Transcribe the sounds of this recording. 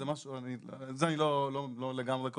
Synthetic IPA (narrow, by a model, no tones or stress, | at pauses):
emaʃuanizeanilolololeɡamʁeko